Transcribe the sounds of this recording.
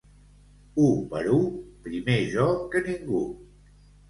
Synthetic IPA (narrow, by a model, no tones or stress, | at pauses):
upəɾupɾimeʒɔkəniŋɡu